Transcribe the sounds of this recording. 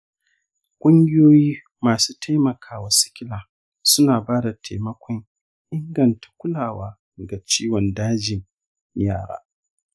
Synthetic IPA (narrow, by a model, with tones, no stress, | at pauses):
kʷʼʊ˦ŋɡʲɪ˦joː˦jiː˦ | maː˨suː˦ta˦jmɐ˨kʰaː˦wa˨sɪ̥˦kʲɪ˦laː˨ | sʊ˦naː˨baː˦da˨tʰa˨mɐ˦kʷʰɔ˦ŋ | ʔɪ˦ŋɡɐ˨ntʰḁ˨kʷʊ˦laː˨waː˦˨ | ɡa˨t͡ʃiː˦wɔ˨ndaː˦d͡ʒɪ˨ɲ | jaː˦˨ɽa̰ː˦